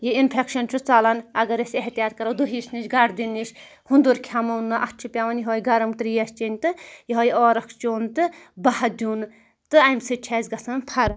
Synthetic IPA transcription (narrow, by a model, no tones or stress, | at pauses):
jiinpʰekʃɐnt͡ʃʰut͡salɐnɐɡɐɾɐsʲeɦt̪ijaːt̪kɐɾɐwd̪uɦiːsniʃɡɐɽd̪inːiʃ | hund̪uɾkʲʰamɐnːɐʔɐt͡ʃʰupʲaʋɐnjiɦoːjɡɐɾɐmt̪ɾjest͡ʃinʲt̪ɨjiɦojɔːɾɐkʰt͡ʃoːnt̪ɨbɐhɐd̪ʲuːn | t̪ɨɐjmʲsɨt͡ʃʲʰaːzʲɡɐsɐnpʰɐɾɐ